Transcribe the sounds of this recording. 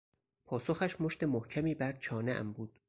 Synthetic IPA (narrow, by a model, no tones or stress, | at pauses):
pʰɒːsoxæʃmoʃt̪e̞mohcʰæmiːbæɾt͡ʃʰɒːneʔæ̰mbuːd̪̥